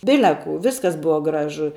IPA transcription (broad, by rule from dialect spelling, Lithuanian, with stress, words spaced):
ˈbʲɪlʲɛ kuː ˈʋʲɪskɐs ˈbʊʋɐ ˈɡrɑːʒʊ